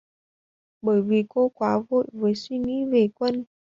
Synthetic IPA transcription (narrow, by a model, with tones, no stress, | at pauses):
ɓəː˧˩jvi˨˩ko˧kwaː˨˦vo̰˧˨jvəː˨˦jswi˧ŋḭ˧˥ve˨˩kwə˧n